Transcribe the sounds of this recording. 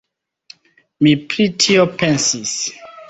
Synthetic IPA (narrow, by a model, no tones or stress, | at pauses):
mipʰɹitʰiopʰɛ̃nsis